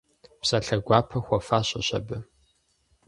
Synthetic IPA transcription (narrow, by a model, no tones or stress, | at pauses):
psɐɬɐɡʷɑːpʰɐxʷɔfaːɕʼɐɕɐ̰bɨ